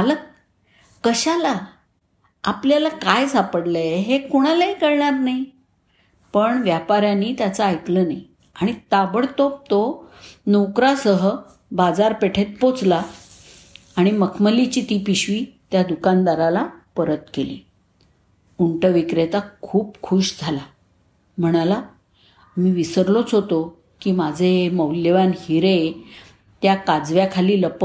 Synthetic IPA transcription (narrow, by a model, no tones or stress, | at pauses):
alək | kəɕalaː | pljalakajsapəɽləɦekuɽ̃alaɦikəɾɳaɾnaj | pəɳʋjapaɾjaniːt̪jat͡səajt̪lənaj | aɽ̃it̪abəɽt̪op̚t̪onokɾasəɦə | bad͡zaɾpeʈʰet̪̚pot͡sla | ɽ̃iməkʰməlit͡ɕiːt̪iːpiɕʋiːt̪jad̪ukand̪aɾalapəɾət̪keli | uɳʈəʋikɾet̪akʰuːpkʰuɕd͡zʱala | m̤əɽ̃ala | miːʋisəɾlot͡sɦot̪o | kiːmad͡zʱeməwljəʋanhiɾe | t̪jakad͡zʋjakʰaliːləpə